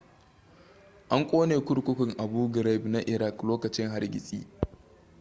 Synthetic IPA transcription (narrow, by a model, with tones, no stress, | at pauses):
ʔa˦ŋkʷʼoː˦neː˨kʷʊ˦ɽkʷʊ˦kʷʊ˨ŋʔa˨buː˦ɡɾa˦˨bna˦ʔɪ˨ɾa˦kloː˦kɐ˨t͡ʃɪ˦ŋɦa˦rɡʲɪ̰˨sʼḭː˦